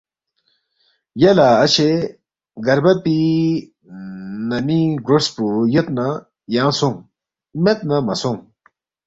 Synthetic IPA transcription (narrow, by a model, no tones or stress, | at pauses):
jɐlaɐt͡ɕʰe | ɡɐɾbɐpi | nɐmiɡɾospujet̪na | jãːsuŋ | met̪̚nɐmɐsuŋ